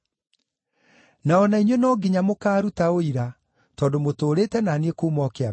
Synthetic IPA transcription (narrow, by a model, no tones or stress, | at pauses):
naɔnaiɲwenɔːɡiɲamokaːɾutaoiɾa | tɔːndomotoːɾetɛnanekomɔkea